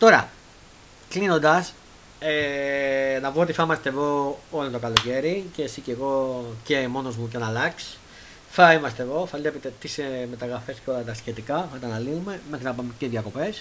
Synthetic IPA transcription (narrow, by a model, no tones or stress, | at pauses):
t̪o̞ɾɐ̰ | klino̞nd̪ɐs | e | nɐvuot̪iθɐimɐst̪e̞ðo̞olont̪okɐlo̞ce̞ɾicesiceɣo̞ce̞mo̞no̞zmuc̬enɐlɐks | θɐimɐst̪eðo̞θɐlepet̪e̞t̪iseme̞t̪ɐɣɾɐfe̞scolɐt̪ɐsçe̞t̪ikɐθɐt̪ɐnɐlinume̞mexɾinɐpɐmeceðjɐko̞pe̞s